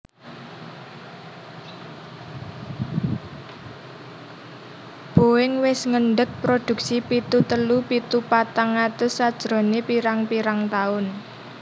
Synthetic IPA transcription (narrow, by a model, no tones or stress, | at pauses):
b̥o̤wɪŋwɪsŋəɳɖək̚pɾod̪̥ṳk̚sipit̪ut̪əlupit̪upat̪aŋat̪ʊsːad̥ʒ̥ɾo̤nepiɾaŋpiɾaŋt̪aʊn